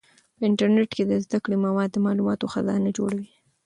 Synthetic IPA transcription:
pəɪɳʈaɾneʈked̪əzd̪akɽimawɑd̪ːəmɑlumɑt̪oxazɑ̰nad͡ʒoɽawi

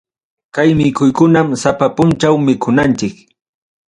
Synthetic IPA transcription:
kajmɪkʊjkʊnamsapapʊnt͡ʃawmɪkʰʊnant͡ʃɪk

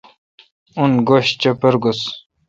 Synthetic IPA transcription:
unɡoɕt͡ɕepɐɾɡos

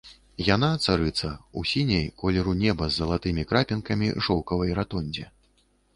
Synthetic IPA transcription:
janat̪saɾɨt̪sɐusʲinʲejkɔlʲɛɾunʲɛbɐzːɐlˠat̪ɨmʲikɾapʲinkɐmʲḭʐɔwkɐvɐjɾat̪ɔnʲd͡zʲɛ

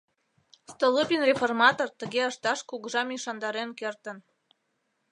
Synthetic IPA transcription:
st̪olɨpʲinreformɑt̪ort̪əɣeəʃt̪ɑʃkuɣəʒɑmiʃɑnd̪ɑɾenkert̪ən

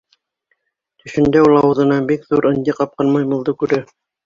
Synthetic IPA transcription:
t̪ɵ̆ʃɘ̆nd̪æulˠɑwɤ̆ðɤ̆nɑbikðuɾʔɤ̆nʲd̪ʲiqɑp̚qɤnmɑjmɤ̆lˠd̪ɤkʉɾæ

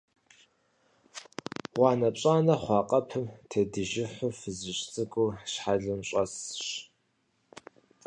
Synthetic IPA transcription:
wɑːnɐpɕʼaːnɐχʷɑːqʼɐpʰɨmtʰɐdɨʒɪħʷʊfɨzɨʃt͡sʼɨɡʷʼuːʃħaɮɨmɕʼɐsɕ

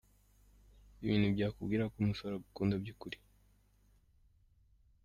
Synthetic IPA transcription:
iβiːnhubɟaːkubɡiːɾakumusoɾaukuːndabɟukuɾi̥

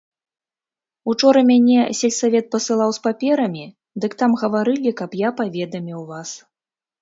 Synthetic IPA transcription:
ut͡ʂɔɾɐmʲanʲɛsʲɛlʲsavʲɛt̪̚pɐsɨlˠawspapʲɛɾɐmʲi | d̪ɨkt̪amɣɐvaɾɨlʲikɐpjapavʲɛd̪ɐmʲiwvas

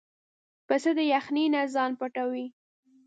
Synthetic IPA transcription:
pəsəd̪əjaxninazɑnpaʈawi

